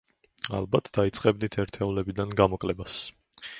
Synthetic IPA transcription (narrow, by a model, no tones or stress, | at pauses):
a̰lˠbat̪ʰd̪̥ait̪sʼqʼɛbnit̪ʰɛɾt̪ʰɛulɛbid̪anɡamɔkʼlɛbas